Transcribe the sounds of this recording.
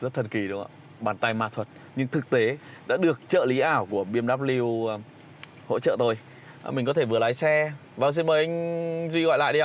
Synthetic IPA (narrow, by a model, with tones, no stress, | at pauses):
zə˦˥t̚t̪ʰə˨˩n̚ki˨˩ɗɨ˨˦a̰ː˧ | ɓaː˨˩nt̪a˧jmaː˧˩t̪ʰwə˨˩t̚ | ɲɨ˧ŋt̪ʰɨ˨˩k̚t̪e˨˦ɗa̰ː˧˥ɗɨ˨˩ək̚t͡ɕə̰ː˧˨li˨˦ʔaː˧˩wku˧˩əɓi˧əmɗaː˦˥p̚li˧w | ho̰˧˥t͡ɕə̰ː˧˨t̪o˧j | mï˨˩ŋ̟kɔ˨˦t̪ʰe˧˩vɨ˨˩əlaː˨˦jsɛ˧ | vaː˨˩s̬i˧nməː˨˩jʔa˧ŋ̟zwi˧ɣɔ̰˧˨jla̰ː˧˨jɗi˧aː˧˨˩